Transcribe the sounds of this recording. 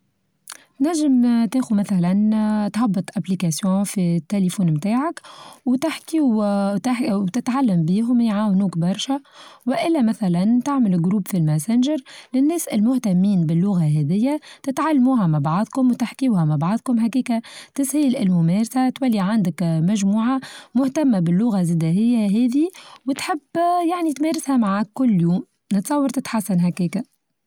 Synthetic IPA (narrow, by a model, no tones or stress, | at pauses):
t̪næʒːɪmt̪eːxumæθælænt̪ħɑbːɨt̪ˤʔæplikæsjõːfit̪ːelefuːnmt̪aːʕakwt̪ɪħkiw | wt̪ɪt̪ʕalːæmbiːɦʊmjʕaːwnuːkbɑɾˤʃawɪʔɪlːæmæθælænt̪aʕmɪlɪɡɾuːbfilmæsɪnʒəɾlɪnːɛːsɪ̰lmʊht̪æmːiːnbɪlːʊɣaɦɛðɪjːat̪ɪt̪ʕalːmuːɦæmabʕɑðˤkʊmwt̪aħkiwhæmabʕɑðˤkʊmɦakiːkat̪ɪshiːlɪlmʊmɛːɾsat̪wælːiʕand̪ɪkmæʒmuːʕamʊht̪amːabɪlːʊɣaziːd̪æɦɪjːaɦɛːðiwɪt̪ħɪbːjaʕnit̪mɛːɾɪshæmaʕaːkkːʊlːjuːm | nɪt̪sˤɑwːɑɾˤt̪ɪt̪ħasːanɦakiːkæ